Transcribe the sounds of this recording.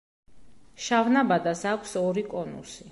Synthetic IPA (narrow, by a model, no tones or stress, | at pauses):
ʃavnabad̪asakʷʰsɔɾikʼɔnṵsi